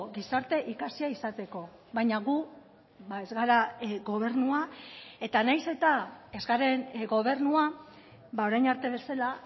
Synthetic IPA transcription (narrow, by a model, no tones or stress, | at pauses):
ɡisaɾt̪e̞ʔikasiaisat̪e̞ko̞ | βajɲaɣu | βae̞zɣaɾaɡo̞β̞e̞ɾnuae̞t̪anajse̞t̪ae̞zɣaɾe̞nɡo̞β̞e̞ɾnua | βao̞ɾajnaɾt̪e̞βe̞sala